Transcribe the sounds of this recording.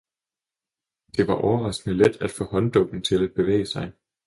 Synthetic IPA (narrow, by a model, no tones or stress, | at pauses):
d̥e̝ʋɑ̈ʔɒʊɐʁɑ̈sɡ̥nəled̥æd̥fɔ̰̽ːhɒ̽nd̥ɔ̽ɡ̥n̩t͡sʰe̝læd̥̚b̥e̝ʋḛːəsɑ̈ɪ